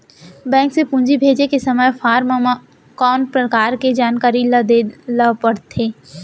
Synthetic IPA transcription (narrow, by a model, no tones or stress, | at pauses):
bɛ̃ːŋksepũnd͡ʒibʱeːd͡ʒekesɐməjfʰaːɾm | kɔːnpɾɐkaːɾked͡ʒaːnkaːɾild̪eləpəɽt̪ʰeː